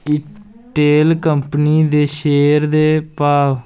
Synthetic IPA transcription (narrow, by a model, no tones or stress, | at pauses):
ɪ | ʈeːlkəmpniːd̪eːʃeːɾd̪eːpaːʋ